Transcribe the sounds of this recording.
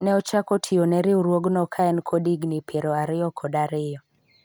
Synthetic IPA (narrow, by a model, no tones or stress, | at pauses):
nɛɔt͡ʃakɔtʰɪɔnɛɾɪuɾwoɡnɔkʰaɛnkʰɔdiɡnɪpʰeɾɔaɾɪɔkʰɔdaɾɪɔ